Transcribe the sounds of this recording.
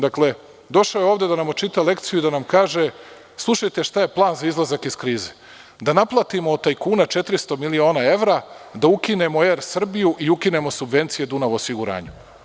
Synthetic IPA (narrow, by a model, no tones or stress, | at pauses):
d̪akle̞ | d̪o̞ʃojeo̞ːʋd̪e̞d̪anamot͡ʃit̪ale̞kt̪sijuid̪anamkaːʒe̞ | slˠuʃajt̪e̞ʃt̪aje̞plˠaːnzaizlˠazakiskɾiːze | d̪anaplˠat̪imoːt̪ːajkuːnat͡ʃe̞t̪ɾist̪o̞milio̞ːnae̞ʋɾad̪aukine̞mo̞eːɾsr̩bijuʔiukine̞mo̞subʋe̞nt̪sije̞d̪unaʋoːsiɡuɾa̰ːɲu